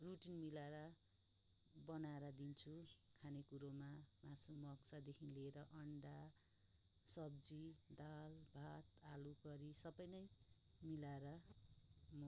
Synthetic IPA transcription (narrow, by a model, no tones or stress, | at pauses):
ruʈinmilaɾʌ | bʌnaeɾʌd̪int͡sʰukʰanekuɾomamasomʌɡsad̪ekʰinleːɾʌʔʌɳɖa | sʌbd͡zid̪albʱat̪aluɡʌɾisʌbʌjnʌj | milaeɾʌ | mʌ